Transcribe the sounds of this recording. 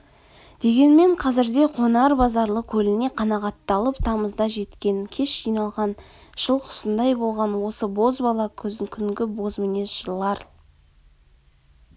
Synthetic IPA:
d̪̥e̞ɡʲe̞nme̞ɴqʰɑzɪɾd̪e̞qʰo̞nɑɾbɑzɑɾlˠəkʲʰɵlɪne̞qʰɑnɑʁɑt̪ːɑlˠəpt̪ʰɑməzd̪ɑʒe̞t̪kʲe̞ŋkʲʰe̞ʃʒijnɑlˠʁɑn | ʒ̥əlˠqʰʊ̥sənd̪ɑjbo̞lˠʁɑnwo̞səbo̞zbɑlˠɑkʲʰɵzɪkʲʰʏŋɡʲɪbo̞zmene̞sʒ̥əlˠɑɾ

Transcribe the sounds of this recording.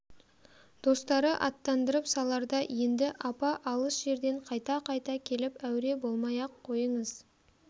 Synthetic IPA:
d̪̥o̞st̪ɑɾəʔɑt̪ːɑnd̪əɾəpsɑlˠɑɾd̪ɑje̞nd̪ɪʔɑpɑʔɑlˠəsʒ̥e̞ɾd̪e̞ɴqʰɑjt̪ɑqʰɑjt̪ɑkʲʰe̞lɪpæwɾe̞bo̞lˠmɑjɑqʰːo̞jəɴəz̥

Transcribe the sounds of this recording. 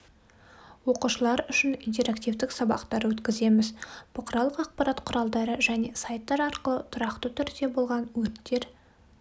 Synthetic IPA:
wo̞quʃəlˠɑɾʏʃɪnint̪e̞ɾakt̪ʲijvd̪ɪksɑbɑ̰qt̪ɑɾwɵt̪kʲɪze̞mɪzb̥ʊqʰəɾɑlˠəqɑq̚pɑɾɑt̪qʰʊɾɑlˠd̪ɑɾəʒæne̞sɑjt̪ːɑɾɑɾqəlˠət̪ʰʊɾɑqt̪ət̪ʰʏɾd̪e̞bo̞lˠʁɑnwɵɾt̪ːe̞ɾ

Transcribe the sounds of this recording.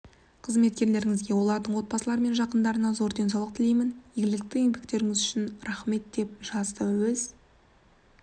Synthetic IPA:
qʰəzme̞t̪̚kʲe̞ɾle̞ɾɪŋɪzɡʲe̞wo̞lˠɑɾd̪əɴwo̞t̪̚bɑsəlˠɑɾəme̞nʒɑqənd̪ɑɾənɑzo̞ɾd̪e̞ns̬ɑwlˠəq̚t̪ʰɪlejmɪnjeɡʲɪlɪk̚t̪ɪje̞ŋbekt̪e̞ɾɪŋɪzʏʃɪnɾæχme̞t̪̚d̪e̞p̚ʒ̥ɑzt̪əwɵz

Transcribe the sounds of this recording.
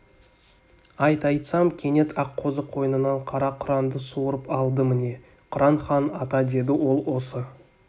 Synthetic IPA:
ɑjt̪ɑjt̪sɑmkʲʰe̞ne̞t̪ʰɑqʰːo̞zəqʰo̞jənənɑɴqʰɑɾɑqʰʊɾɑnd̪əsuɾəpɑlˠd̪əmɪne̞ | qʰʊɾɑnχɑnɑt̪ɑd̪e̞d̪ɪwo̞lˠwo̞sə

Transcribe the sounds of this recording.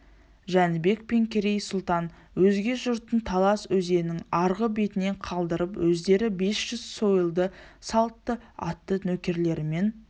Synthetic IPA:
ʒænbe̞kpe̞ŋkʲʰeɾejsʊlˠt̪ɑn | wɵzɡʲe̞ʒʊɾt̪ənt̪ʰɑlˠɑswɵze̞nɪŋɑɾʁəbe̞t̪ɪne̞ɴqʰɑlˠd̪əɾəpwɵzd̪e̞ɾɪbe̞sʒ̥ʏz̥so̞jəlˠd̪əsɑlˠt̪ːəɑ̰t̪ːənɵkʲe̞ɾle̞ɾɪme̞n

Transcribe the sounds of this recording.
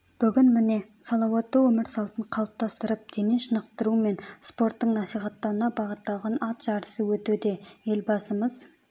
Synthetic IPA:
b̥ʏɡʲɪnmɪne̞sɑlˠɑwɑt̪ːəwɵmɪɾsɑlˠt̪əɴqʰɑlˠəp̚t̪ʰɑst̪əɾəp̚d̪̥e̞neʃənəqt̪əɾume̞nspo̞rt̪ːəɴnɑsijχɑt̪ːɑɾənɑbɑʁət̪ːɑlˠʁɑnɑt̪ʒ̥ɑɾəsəwɵt̪ud̪e̞e̞lbɑsəməz

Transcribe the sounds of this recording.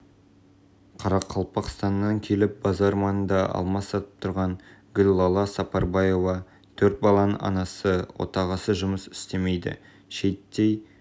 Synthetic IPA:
qʰɑɾɑqʰːɑlˠpɑqst̪ɑnːɑŋkʲʰe̞lɪp̚bɑzɑɾmɑnənd̪ɑʔɑ̰lˠmɑsɑt̪ə̥p̚t̪ʰʊɾʁɑŋɡʲʏlʲlˠɑlˠɑsɑpɑɾbɑjo̞vɑ | t̪ʰɵɾt̪̚bɑlˠɑnəɑ̰nɑsəwo̞̰t̪ɑʁɑsəʒʊməsɪ̥st̪e̞me̞jd̪ɪ̰ | ʃe̞t̪ːej

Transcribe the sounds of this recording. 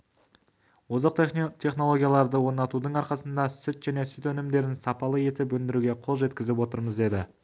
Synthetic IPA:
wozɑq̚t̪ʲʰe̞χno̞lˠo̞ɡʲijalˠɑɾd̪əwo̞ɾnɑt̪ud̪əɴɑɾqɑsənd̪ɑsʏt̪ʒ̥æne̞sʏt̪ɵnɪmd̪e̞ɾɪnsɑpɑlˠəje̞t̪ɪp̬wɵnd̪ɪɾuɡʲe̞qʰo̞lˠʒe̞t̪kʲɪzɪpwo̞t̪əɾməzd̪e̞d̪ɪ

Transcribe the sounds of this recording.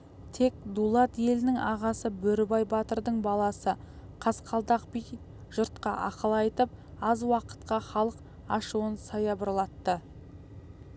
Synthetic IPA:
t̪ʰe̞k̚d̪ulˠɑt̪je̞lɪnɪŋɑʁɑsəbɵɾɪbɑjbɑt̪əɾd̪əɴbɑlˠɑsə | qʰɑsqʰɑlˠd̪ɑqbij | ʒʊɾt̪qɑ̰ʔɑqəlˠɑjt̪əp̚ɑzwɑqə̥t̪qɑχɑlˠəq | ɑʃuənsɑjɑbəɾlˠɑt̪ːə

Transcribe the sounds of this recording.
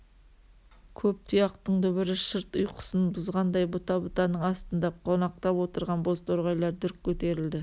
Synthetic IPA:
kʲʰɵp̚t̪ʰʊjɑqt̪əɴd̪ʊbɪɾɪʃəɾt̪ʊjqʰʊ̥sənbʊzʁɑnd̪ɑjbʊt̪ɑbʊt̪ɑnəɴɑst̪ənd̪ɑqʰo̞nɑq̚t̪ɑpwo̞t̪əɾʁɑnbo̞st̪ʰoɾʁɑjlˠɑɾd̪ʏɾkʲʰːɵt̪e̞ɾɪld̪ɪ

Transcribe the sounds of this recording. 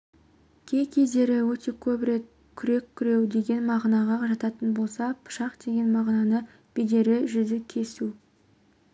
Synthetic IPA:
kʲʰe̞jkʲʰe̞zd̪e̞ɾɪwɵt̪ʰe̞kʲʰɵbɾe̞t̪̚ | kʲʰʏɾe̞kʲʰːʏɾe̞wd̪e̞ɡʲe̞nmɑʁnɑʁɑʒɑt̪ɑt̪ənbo̞lˠsɑpʰʊ̥ʃɑqd̪̥e̞ɡʲe̞nmɑʁnɑnə | b̥ed̪e̞ɾɪʒʏd̪ɪkʲʰe̞su

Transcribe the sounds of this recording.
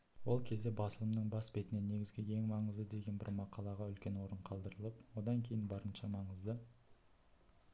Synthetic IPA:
wo̞lˠkʲʰe̞zd̪e̞bɑsəlˠəmnəɴbɑsbe̞t̪ɪne̞ne̞ɡʲɪzɡʲɪe̞ŋmɑɴəzd̪əd̪e̞ɡʲe̞nbɪ̰ɾmɑqʰɑlˠɑʁɑʏlkʲe̞nwo̞ɾəɴqʰɑlˠd̪əɾəlˠəpwo̞d̪ɑŋkʲʰe̞jɪnbɑɾənʃɑmɑɴəzd̪ə

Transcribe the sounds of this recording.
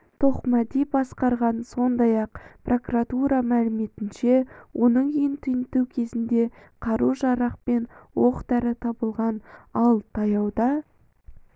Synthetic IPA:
t̪ʰo̞qmɑd̪ibɑsqɑɾʁɑnso̞nd̪ɑjɑqpro̞kurat̪uɾɑmælɪme̞t̪ɪnʃe̞wʔo̞nəɴijnt̪ʰʏjnt̪uwkʲʰe̞zɪnd̪e̞qʰɑɾuʒɑɾɑq̚pe̞nwoqd̪æɾɪt̪ʰɑbəlˠʁɑnɑlˠt̪ʰɑjɑwd̪ɑ

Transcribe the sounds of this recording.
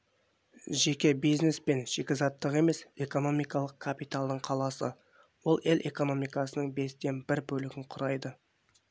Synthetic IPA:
ʒe̞kʲe̞bijzne̞spe̞nʒ̥e̞kʲezɑt̪ːəʁe̞me̞se̞ko̞no̞mijkɑlˠəq̚kʰapijt̪alˠd̪əɴqʰɑlˠɑsə̰ | wo̞lˠe̞lʔe̞ko̞no̞mijkɑsənəɴbe̞st̪e̞nbɪɾbɵlɪɡʲɪɴqʰʊɾɑjd̪ə

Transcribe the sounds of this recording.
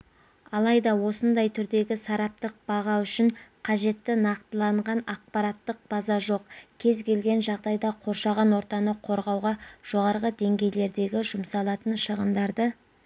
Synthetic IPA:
ɑlˠɑjd̪ɑwo̞sənd̪ɑjt̪ʰʏɾd̪e̞ɡʲɪsɑɾɑp̚t̪əq̚b̥ɑʁɑʏʃɪɴqʰɑʒe̞t̪ːɪnɑqt̪əlˠɑɴʁɑnɑq̚pɑɾɑt̪ːəq̚b̥ɑzɑʒo̞qkʲʰe̞zkʰʲe̞lɡʲe̞nʒɑʁd̪ɑjd̪ɑqʰo̞ɾʃɑʁɑnwo̞ɾt̪ɑnəqʰo̞ɾʁɑwʁɑʒ̥o̞ʁɑɾʁəd̪e̞ŋɡʲe̞jle̞ɾd̪e̞ɡʲɪʒʊmsɑlˠɑt̪ənʃəʁənd̪ɑɾd̪ə

